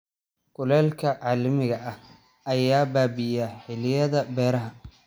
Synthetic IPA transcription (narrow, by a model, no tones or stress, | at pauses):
ɡ̥ʊlɛːlkʰɐʕɑːlɐmɪɣɐʔɐh | ʔɐjaːbaːbɪjaħɪlɪjɐðɐbɛːɾɐɦɐ